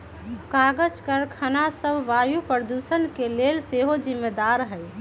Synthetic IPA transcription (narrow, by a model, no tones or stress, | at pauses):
kaɡəd͡ʒkəɾkʰənasəbʱʋajupɾəd̪usənkelelseɦod͡ʒimːed̪aɾɦəj